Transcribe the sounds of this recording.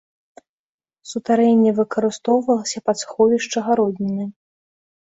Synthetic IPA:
sut̪aɾɛnʲːɛvɨkɐɾɨst̪ɔwvɐlˠɐsʲɐpɐt̪sxɔvʲiʂt͡ʂɐɣaɾɔd̪ʲnʲɛnɨ

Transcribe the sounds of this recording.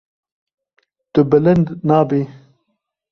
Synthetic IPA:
t̪əbɐlɐnd̪naːbeː

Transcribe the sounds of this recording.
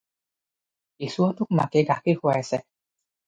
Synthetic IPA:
isuɔtʊk̚ma̰kɛɡaxʰixʊajasɛ

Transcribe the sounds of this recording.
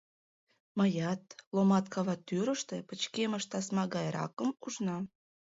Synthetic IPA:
məjɑt̪lomɑt̪kʰɑβɑt̪ːyɾəʃt̪epət͡ɕkeməʃt̪ɑsmɑɣɑjɾɑ̰kəmuʒnɑ

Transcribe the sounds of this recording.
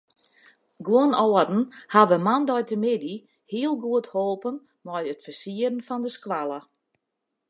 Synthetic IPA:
ɡwoənɔədn̩haʋəmandɔjtəmɪdi | hiəlˠɡuəthoːpən | mɔjətfərsiərən̩fɔndəskwalˠə

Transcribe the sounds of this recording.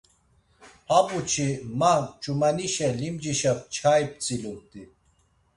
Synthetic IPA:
habut͡ɕʰimat͡ʃumɐniɕelimd͡ʑiɕɐp̚t͡ɕʰajp̚t͡silum̚t̪i

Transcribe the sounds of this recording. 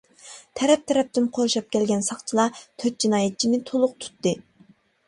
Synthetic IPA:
t̪ʰɛɾɛp̚t̪ʰɛɾɛp̚t̪ɪnqʰoɾʃɑp̚kʲʰɛlɡʲɛnsɑχt͡ʃʰilˠɑt̪ʰøt̪̚d͡ʒinɑːjɛt̪̚t͡ʃʰinɪt̪ʰolˠʊq̚t̪ʰu̥t̪ːɨ

